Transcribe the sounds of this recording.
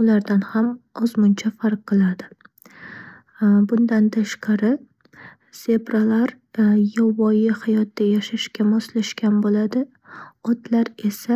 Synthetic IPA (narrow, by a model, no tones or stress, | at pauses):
ʊlaɾd̪anhamɒzmʊnt͡ʃʰafaɾqʰːɨlˠad̪ɪ | bʊnd̪ant̪ʰaʃqʰɑɾɪ | se̞pɾalaɾ | jɒvɒjɪhajɒt̪ːajaʃaʃkʲamɒslaʃkʲʰanbolad̪ɪ | ɒt̪laɾe̞sa